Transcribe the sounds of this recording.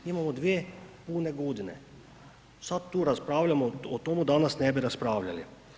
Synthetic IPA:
imamɔd̪ʋeːpuːnɛɡoːd̪inɛ̰ | sat̪̚t̪ːuːɾaspɾaːwlʲamɔɔt̪omud̪aːnasnɛbiɾaspɾaːwʎali

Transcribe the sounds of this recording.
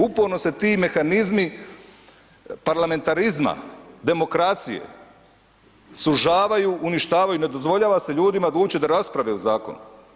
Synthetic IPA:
upoɾno̞se̞t̪iːme̞xanizmi | paɾlame̞nt̪aɾizma̰d̪e̞mo̞kɾat̪sḭjḛ | suʒaːʋajuʔuniʃt̪aːʋajune̞d̪o̞zʋo̞ʎaːʋase̞ʎuːd̪imad̪uːt͡ɕed̪aɾaspɾaʋeuzaːko̰nu

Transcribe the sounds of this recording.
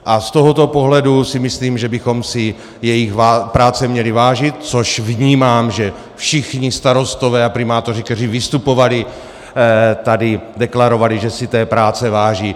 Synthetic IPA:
ʔast̪o̞ɦo̞t̪o̞po̞ɦlɛdusɪmɪsliːmʒɛbɪxomsɪ | jɛjɪxvapɾaːt͡sɛmɲɛlɪvaːʒɪt̪̚t͡so̞ʃvɲiːmaːmʒɛ | fʃɪxɲɪst̪aɾo̞st̪ovɛːapɾɪmaːt̪o̞rɪkt̪ɛriːvɪst̪upo̞valɪ | t̪adɪdɛklaɾo̞valɪʒɛsɪt̪ɛːpɾaːt͡sɛvaːʒiː

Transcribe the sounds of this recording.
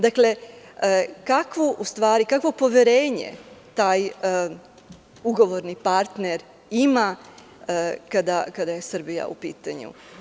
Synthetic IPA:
d̪akle̞ | kakʋoʔust̪ʋaːɾikakʋo̞po̞ʋjeɾeːɲḛt̪aːj | uɡo̞ʋo̞ɾnipaɾt̪neɾ | ima | kad̪akad̪aje̞sr̩bija̰ṵpiːt̪aɲṵ

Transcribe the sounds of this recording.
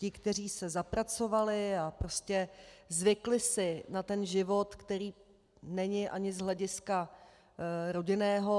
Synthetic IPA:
cɪkt̪ɛr̝iːsɛzapɾat͡so̞valɪapɾo̞scɛzvɪklɪsɪnat̪ɛnʒɪvo̞t̪kt̪ɛɾiː | nɛɲɪʔa̰ɲɪzɦlɛɟɪska | ɾo̞ɟɪnɛːɦo̞

